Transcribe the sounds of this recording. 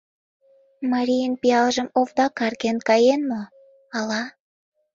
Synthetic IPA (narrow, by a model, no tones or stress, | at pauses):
mɑɾʲijənpiɑlʒəmovd̪ɑkɑrkenkɑjenmo | ɑlɑ